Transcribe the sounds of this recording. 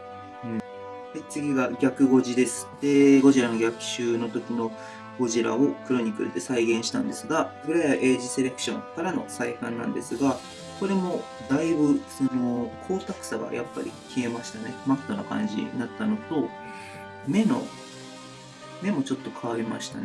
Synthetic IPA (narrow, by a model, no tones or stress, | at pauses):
ɯ̟̃ | d̪e̞t͡sɨɡʲiɡaɡʲakɯ̟ɡo̞ʑid̪e̞sɨ̥d̪̥e̞ɡo̞ʑiɾano̞ɡʲakɯ̟̥ɕɨːno̞t̪o̞kʲino̞ | ɡ̥o̞ʑiɾa̰o̞kɯ̟ɾo̞ɲ̟ikɯ̟ɾɯt̪ːe̞saiɡẽ̞ɰ̃ɕi̥t̪ã̰nd̪esɨɡabɯ̟ɾaʔe̞ːʑise̞ɾe̞kɯ̟̥ɕõ̞̰ŋkaɾano̞̰saikãnːã̰nd̪e̞̰sɨɡa | ko̞ɾe̞mo̞ | d̪aibɯ̟so̞no̞kʰo̞ːt̪akɯ̟̥saɡa̰ja̰pːa̰ɾʲḭkʲʰie̞maɕi̥t̪ane̞mat̪ːo̞nakã̰ɲ̟d͡ʑḭnat̪ːano̞t̪o | me̞no̞̰ | me̞mo̞t͡ɕo̞t̪ːo̞kʰaβaɾʲima̰ɕi̥t̪ane